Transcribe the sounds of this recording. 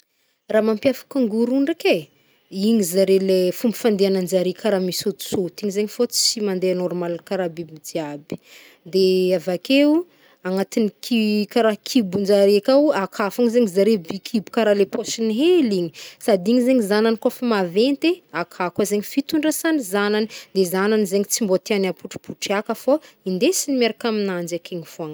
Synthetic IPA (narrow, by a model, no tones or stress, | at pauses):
raːmampjafḁkaŋɡuɾuɳɖ͡ʐeke | iɲizaɾelefumbi̥fand̪eanand͡ʒaɾekaɾamisut͡sut̪iɲizeɲifot͡si̥t͡simand̪eanɔɾmalkaɾabibid̪iabi̥ | d̪eavakeu | aŋat̪inikʰikaɾakʰibund͡ʒaɾekawakʰafaŋizeŋizaɾebikʰibukaɾalepʰosiniɦeliɲisad̪iɲizeɲizananikofamavent̪eakʰakazeɲifit̪uɳɖ͡ʐasanizananid̪ezananizeŋit͡simbot̪eanapuʈ͡ʂi̥pʰuʈ͡ʂiakəfo | ind̪esinimeɾakaminand͡ʒakʰeŋifoaŋ